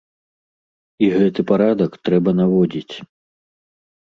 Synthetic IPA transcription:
iɣɛt̪ɨpaɾad̪ɐkt̪ɾɛbɐnavɔd͡zʲit͡sʲ

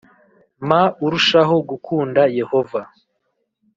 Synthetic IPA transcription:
mauɾuʃaɦo̞ɡukʰuːndaje̞ho̞va

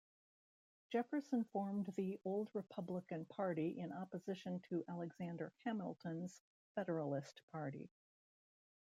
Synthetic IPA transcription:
d̥ʒ̥ɛfə˞sə̃nfɔɹmðiʔoʊlˠd̚ɹɨpʰʌbləkɨ̃npʰɑɹɾiʔɪ̃nɑpɨzɪʃɨ̃ntʰɨʔælˠəɡz̥æ̃ndə˞hʰæ̃ml̩ˠtʰə̃nz̥ | fɛɾə˞əl̩ˠɪstpʰɑɹɾḭ

